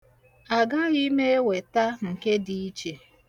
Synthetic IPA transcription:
a˨ɡa˦ɣi˦me˦e˦we˨ta˦ŋ̩˨ke˦di˨i˦t͡ʃe˨

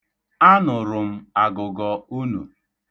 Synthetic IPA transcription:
a˦nʊ˨ɾʊ˨m̩˦a˨ɡʊ˨ɡɔ˨u˦nṵ˨

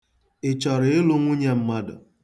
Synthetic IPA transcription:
ɪ˨t͡ʃɔ˨ɾɪ˨e˦lo˦ŋʷu˦ɲe˦m̩˦ma˦dʊ̰˨

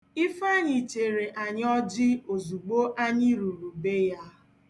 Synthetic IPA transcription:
ɪ˦fa˦˨ɲɪ˨t͡ʃe˨ɾe˨ʔa˨ɲ˦ɔ˦d͡ʒɪ˦o˨zu˨ɡ͡bo˦ʔa˦ɲɪ˦ɾu˨ɾu˨be˦ja˦

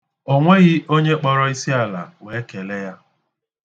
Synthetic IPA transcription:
o˦ŋʷe˦ɣɪ˦ʔo˦ɲe˦k͡pɔ˦ɾɔ˦i˦si˦a˨la̰˨we˨˦ke˨le˦ja˦

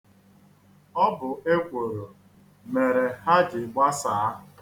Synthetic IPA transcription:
ɔ˦bʊ˨ʔe˦kʷo˨ɾo˨ | me˨ɾe˨ha˦d͡ʒɪ˨ɡ͡bʷa˦saː˨˦˨

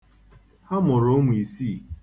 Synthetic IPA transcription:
ha˦mʊ˨ɾo˦ŋʷ˨i˨si˦˨

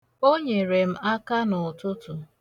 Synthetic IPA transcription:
o˦ɲe˨ɾe˨m̩˦a˦ka˦nʊ˨tʊ˦tʊ˨

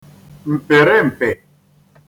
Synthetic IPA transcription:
m̩˨pɛ˨ɾɛ˦m̩˨pɛ˨

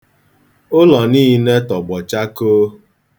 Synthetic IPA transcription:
ʊ˦lɔ˨niː˦ne˦tɔ˨ɡ͡bɔ˨t͡ʃa˦koː˦

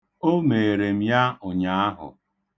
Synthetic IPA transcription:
o˦me˨ɾe˨m̩˦ja˦ʊ˨ɲa˨˦a˦ɦʊ̰˨

